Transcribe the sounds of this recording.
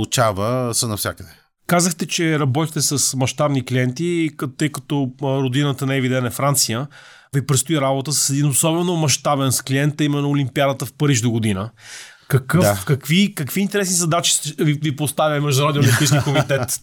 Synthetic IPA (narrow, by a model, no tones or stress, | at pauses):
ut͡ʃavəsənɐfsʲa̰kəd̪ɛ | kazəxt̪ɛt͡ʃɛɾɐbɔt̪ixt̪ɛsəsmɐʃt̪abnikliɛnt̪it̪ːɤjkət̪ɔɾod̪inət̪ənɛvid̪ɛnɛfɾant̪sijə | vipɾɛt̪st̪oiɾabot̪əsə̥sɛd̪inosɔbɛnomɐʃt̪abɛnskliɛnt̪ɐimɛnːoːlʲimpiad̪ət̪əfpɐɾiʃd̪oɡʊd̪inə | kɐkɤfakɐkvikɐkviːnt̪ɛɾɛsnizɐd̪at͡ʃi̥svivipost̪avʲjəmɛʒd̪unɾɔd̪inolimpiʃskikomit̪ɛt̪